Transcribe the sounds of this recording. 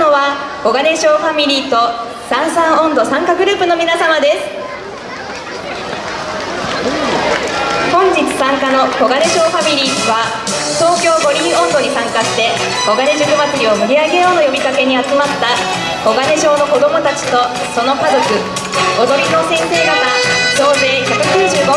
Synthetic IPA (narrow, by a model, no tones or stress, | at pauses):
noβako̞ɡane̞ɕo̞ːɸamʲiɾʲiːt̪o̞ | sãɰ̃sãɰ̃õ̞nd̪o̞sãŋkaɡɯ̟ɾɯ̟ːpɯ̟no̞mʲinasamad̪e̞sɨ̥ | hõ̞ɲ̟d͡ʑit͡sɨ̥sãŋkano̞ko̞ɡane̞ɕo̞ːɸamʲiɾʲiːβa | t̪o̞ːkʲo̞ːɡo̞ɾʲiõ̞nd̪o̞ɲ̟isãŋkaɕi̥t̪e̞ | ko̞ɡane̞bɯɡɯ̟mat͡sɨɾʲio̞mɯɾʲiaɡe̞jo̞ːnojo̞bʲikake̞ɲ̟iat͡sɨmat̪ːa | ko̞ɡane̞ʑo̞ːno̞ko̞d̪o̞mo̞t̪at͡ɕi̥t̪o̞ | so̞no̞kazo̞kɯ̟ | ɡo̞d̪o̞ɾʲino̞ːsẽ̞ɰ̃se̞ːɡaβaɕo̞ːzeːkʲo̞kɯ̟keːʑɨːɡo